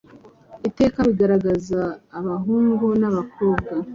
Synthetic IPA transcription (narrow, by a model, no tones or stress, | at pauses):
ite̞ːkaβiɡaɾaɡazaːβaɦuːŋɡonaβako̞ːbɡa